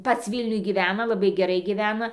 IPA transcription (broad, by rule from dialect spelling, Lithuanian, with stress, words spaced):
ˈpɐts ˈʋʲiːlʲnʲʊj ɡʲiːˈʋʲæːnɐ lˠɐˈbɐɪ ɡʲɛˈrɐɪ ɡʲiːˈʋʲæːnɐ